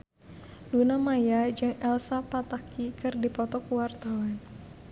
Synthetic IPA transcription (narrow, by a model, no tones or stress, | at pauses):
dunamajad͡ʒɨŋɛlsapat̪akikɨrdipɔt̪ɔkuwart̪awan